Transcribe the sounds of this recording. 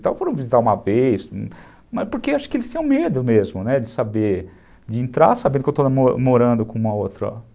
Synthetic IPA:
t̪ã̰wfoɾɐ̃w̃vizit̪aɾũmɐvejs | mɐspoɾkeaʃʊ̥kɪelɪst̪ẽj̃med̪ʊmezmʊnɛd͡ʒɪsabeɾ | d͡ʒɪẽnt̪ɾa̰ɾsabẽd̪ʊkewt̪onamomoɾɐ̃nd̪ʊkõũmɐot̪ɾɐ̰

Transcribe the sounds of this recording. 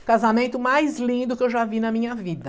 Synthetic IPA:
kazamẽnt̪ʊmajzlĩd̪ʊkɪewʒavinɐmĩɲɐvid̪ɐ

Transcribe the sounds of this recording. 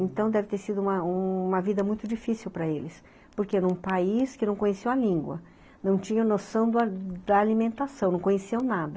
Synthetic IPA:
ẽnt̪ɐ̃w̃d̪ɛvɪt̪eɾsid̪ʊũmɐũmɐvid̪ɐmũj̃t̪ʊd͡ʒifisiwpɾɐelɪs | poɾkenũpaiskɪnɐ̃w̃kõɲesewɐlĩŋɡwɐ̰ | nɐ̃w̃t͡ʃĩɲɐnosɐ̃w̃d̪d̪ɐːlimẽnt̪asɐ̃w̃nɐ̃w̃kõɲesewnad̪ɐ

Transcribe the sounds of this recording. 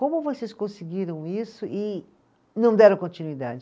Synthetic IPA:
kõmʊvoseskõsɪɡiɾɐ̃w̃isʊʔɪ | nɐ̃w̃d̪ɛɾɐ̃w̃kõnt͡ʃinuid̪a̰d͡ʒɪ

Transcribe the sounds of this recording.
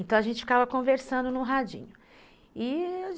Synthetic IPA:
t̪ɐ̃w̃ɐʒẽnt͡ʃɪfkavɐkõveɾsɐ̃nd̪ʊnʊɦad͡ʒḭ̃ɲʊ | ɪ

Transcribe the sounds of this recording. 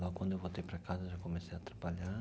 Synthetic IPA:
lɔɡkwɐ̃nd̪oewvot̪ejpɾɐkazɐʒakomesejɐt̪ɾabaʎa

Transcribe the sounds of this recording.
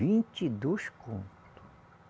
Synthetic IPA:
ĩnt͡ʃid̪oʃkʰõ̰nt̪t̪u̥

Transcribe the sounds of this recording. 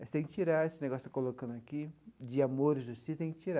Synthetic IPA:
st̪ẽj̃kɪt͡ʃiɾaesɪneɡɔsjʊ̥t̪akolokɐ̃nd̪ʊakid͡ʒɪamoɾɪʒust͡ʃist̪ẽkɪt͡ʃiɾa

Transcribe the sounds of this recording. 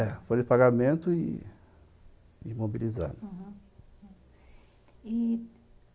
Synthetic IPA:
ɛfojɪpaɡamẽnt̪ʊɪ | imobiliza̰ɦ | i

